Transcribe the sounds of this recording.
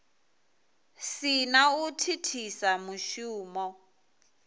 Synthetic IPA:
sinautʰitʰisamuʃuːmɔ

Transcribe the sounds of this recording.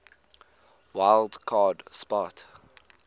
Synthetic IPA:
waɪlˠdkʰɑːdspɑt

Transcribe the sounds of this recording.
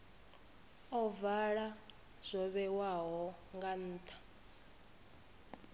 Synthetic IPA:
ɔvaɺa | z̥ʷɔβɛwaɦɔŋɡan̩ːt̪ʰḁ

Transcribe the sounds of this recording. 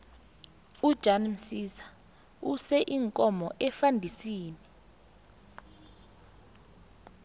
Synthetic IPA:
ud̥ʒ̥ʱanm̩sisḁ | usɛʔiŋkʼɔmɔʔɛfandʱisiːni

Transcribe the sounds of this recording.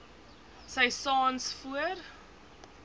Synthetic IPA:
səjsɑːnsfuər

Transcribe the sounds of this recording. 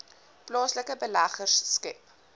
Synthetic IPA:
plɑːsləkəbəlɐχərsːkɛp

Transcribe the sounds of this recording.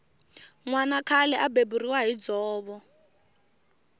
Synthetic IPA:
ŋwanakʰalɛʔabeburiwaɦid͡zɔːβɔ

